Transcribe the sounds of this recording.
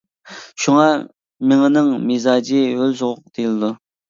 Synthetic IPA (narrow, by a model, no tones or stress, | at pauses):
ʃuŋɑ | mɪŋɪnɨŋmizɑːd͡ʒiølzoʁʊq̚d̪̥ejlˠɨd̪u